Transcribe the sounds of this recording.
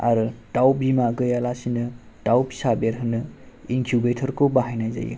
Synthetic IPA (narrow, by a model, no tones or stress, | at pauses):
a̰ɾɯtawbimaɡɯjalasinɯ | tawpʰi̥sabeɾɦɯnɯ | inkʰubetʰɔɾkobaɦajnajza̰jṵ